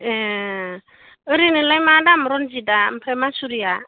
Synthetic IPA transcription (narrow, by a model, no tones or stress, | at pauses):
e | ɯɾinilajmadamɾɔnd͡ʒidam̩pʰɾemasuɾija